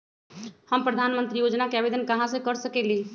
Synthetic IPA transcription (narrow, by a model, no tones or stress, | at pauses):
həmpɾəd̪ʱanmənt̪ɾijod͡ʒnakeabed̪ənkəɦãsẽkəɾsəkɛli